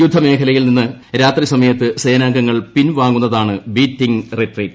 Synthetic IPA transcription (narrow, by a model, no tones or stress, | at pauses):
jud̪ʱːɐme̞ːkʰɐlɐjilninːɨɾaːt̪risɐmɐjɐt̪ːɨse̞ːnaːŋɡɐŋːɐɭpinʋaːŋɡːunːɐðaːɳɨbiːtːiŋretriːtː